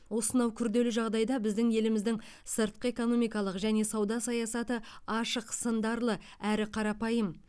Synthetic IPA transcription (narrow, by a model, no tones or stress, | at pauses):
wosənɑwkʲʰʏɾd̪e̞lɪʒɑʁd̪ɑjd̪ɑbɪzd̪ɪŋe̞lɪmɪzd̪ɪŋ | səɾt̪̚qəe̞ko̞no̞mijkɑlˠəqʒæne̞sɑwd̪ɑsɑjɑsɑt̪əɑʃəqsənd̪ɑɾlˠə | æɾɪqʰɑɾɑpɑjəm